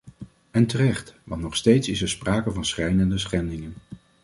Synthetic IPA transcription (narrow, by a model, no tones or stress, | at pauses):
ɛntərɛχtʋɑ̰ntnɔχstejtsɪsɛɹspraːkəvɑnsχɛjnəndəsχɛndɪŋən